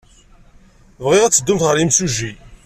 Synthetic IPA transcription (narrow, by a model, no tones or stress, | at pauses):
vʁɪʁæt͡sːəd̪ːʊmt̪ʁəɾimsuʒi